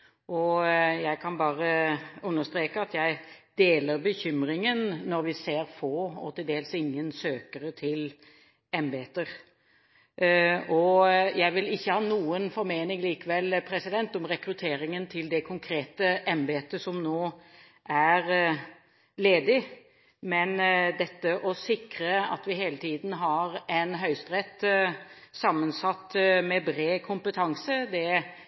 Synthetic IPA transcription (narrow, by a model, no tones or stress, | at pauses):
ʔɔjæɪkʰɑnbɑːʁəʉnːəst̪ɾeːkəɑt̪jæɪd̪̥eːləɾbəçʏmɾɪŋənːɔɾʋɪseːʁfoːɔ̰t̪ʰɪld̪eːlsɪŋːənsøːkəɾət̪ʰɪl | ɛmbɛɛt̪ːəɾ | ɔjæɪʋɪlɪçːəhɑːnuːənfɔɾmeːnɪɡliːkəʋɛlːpʰɾɛsɪd̪ɛnt̪ɔmʁɛkɾʉt̪ʰeːɾɪŋənt̪ʰɪld̪ɛkʰʊŋkʰɾeːt̪əʔɛmbeːt̪ːəsɔmnoː | ʔæɾ | leːd̪ɪ | mɛnd̪ɛt̪ːəʔɔsɪkɾəɑ̰t̪ʋɪɦeːlət̪ʰiːd̪n̩ɦɑɾɛnɦœʏst̪ɾɛt̪ː | sɑmːənsɑt̪ːmɛbɾeːkʰʊmpət̪ʰɑŋsəd̪ɛ